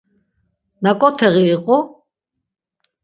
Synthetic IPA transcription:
nakʼɔt̪ʰɛʁiːqʼɔ

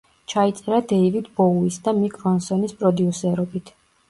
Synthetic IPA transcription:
t͡ʃʰait̪sʼɛɾad̪eivid̪bɔuisd̪amikʰʼɾɔnsɔnispʼɾɔd̪iusɛɾɔbit̪ʰ

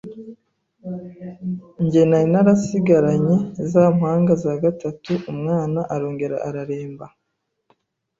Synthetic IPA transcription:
ɲɟe̞najinaɾasiɡaɾaɲezamhaːŋɡazaɡatatuʔumŋaːnaʔaɾo̞ːŋɡe̞ɾa̰ʔaɾaɾe̞ːmba

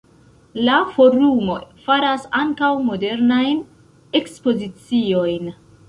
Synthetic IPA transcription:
lafo̞ɾumo̞faɾasaŋkawmode̞ɾnajn | e̞kspo̞zit͡sio̞jn

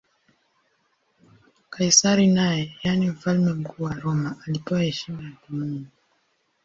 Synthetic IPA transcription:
kʰaisaɾinajɛjanim̩falmɛm̩kuːwaɾɔmaʔalipɔwahɛʃimajakumini

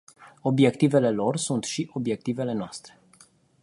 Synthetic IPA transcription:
o̞bje̞kt̪ive̞le̞lo̞rsunt̪ʃiʔo̞bje̞k̚t̪ive̞le̞noast̪ɾe̞

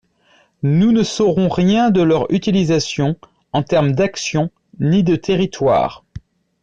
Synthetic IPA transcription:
nunəsɔʁɔ̃ʁjɛ̃d̪əlœʁy̰t̪ilizasjɔ̃ | ɑ̃t̪ɛʁmd̪aksjɔ̃ | nid̪ət̪ʰeʁit̪wa̰ːʁ

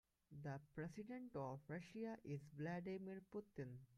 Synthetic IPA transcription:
d̪əpɾesɪɖẽɳʈɔːʋɾɐʃiaʔɪzʋlæɖimiɾpʊt̪ɪ̃n

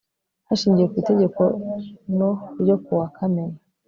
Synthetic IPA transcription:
haʃiːɲɟije̞kwiːte̞ɟe̞ko̞noɾjo̞kuwakʰameɾa

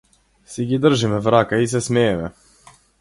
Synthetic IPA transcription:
siɡid̪r̩ʒimɛvɾakais̬ɛsmɛːmɛ

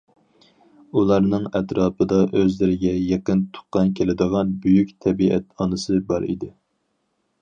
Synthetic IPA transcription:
ulˠɑɾnɨŋɛt̪ɾɑːpʰɨd̪ɑʔøzlɪɾɪɡʲɛjeqənt̪ʰʊ̥qːɑnkʲʰelɪd̪ɨʁɑnbyjykʲt̪ʰɛbiɛ̰t̪ɑnɨsɨbɑɾḭd̪ɪ

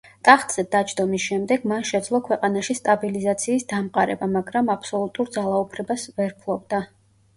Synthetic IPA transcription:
t̪ʼaχt̪ʼz̥ɛd̪at͡ʃʰʼd̪ɔmisʃɛmd̪ɛɡmanʃɛd̪zlˠɔkʰwɛqʼanaʃist̪ʼabilizat̪sʰiːsd̪amqʼaɾɛ̰bamaɡɾamapʰsɔlˠut̪ʼuɾd̪zalˠaupʰɾɛbasvɛɾpʰlˠɔb̚d̪a

